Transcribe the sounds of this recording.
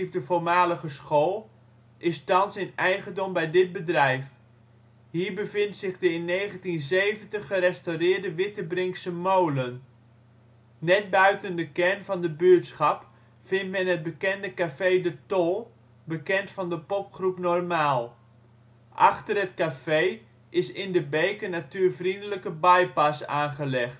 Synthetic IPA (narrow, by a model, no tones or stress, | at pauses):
vdəvoɹmaːləɣəsχoːlˠ | ʔɪstɑnsɪnɛjχəndɔmbɛjdɪd̚bədrɛjf | ɦiːrbəvɪntsɪχdəɪnːejχəntinzejvəntəχːəɾɛstawrɪːdəʋɪtəbrɪŋksəmowlən | nɛt̚bœɥtəndəkɛrnvɑndəbyətsχɑp | fɪntmɛnɦət̚bəkɛndəkafejdətolˠ | bəkɛntfɑndəpɔpχrupnɔrmaːlˠ | ʔɑ̰χtərɦətkafej | ʔɪsɪndəbejkənatyːrvrindələkəbajpɑsaːnχəlɛχt